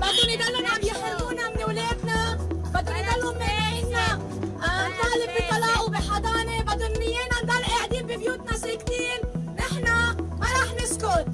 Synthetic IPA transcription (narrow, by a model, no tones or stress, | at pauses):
bad̪ːunɪd̪alːʊnʕabjɪħɾbuːnamɪnwleːd̪nabad̪ːunid̪alːʊnmɪʕina | nt̪ˤɑːlɪbbit̪ˤɑlɑbiħɑd̪ˤɑːnebad̪ːunmɪjeːnand̪alːʔeʕd̪iːmbibjuːt̪nasikt̪iːnʔɪħnamaɾˤɑːħnɪskʊl